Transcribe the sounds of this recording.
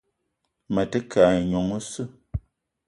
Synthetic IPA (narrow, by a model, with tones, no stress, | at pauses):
mə˨tə˦kʰa˨ɲo˨ŋ˦sɨ˦